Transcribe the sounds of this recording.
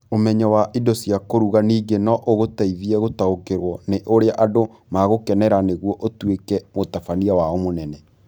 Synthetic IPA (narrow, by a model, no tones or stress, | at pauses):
omɛɲawaʔidɔsiakoɾuɣaniːɡenɔʔoɣotaiðiɛɣotaokeɾwɔneʔoɾeaʔado | maɣokɛnɛɾaneɣwɔʔotwekɛmotafaniawaɔmonɛnɛ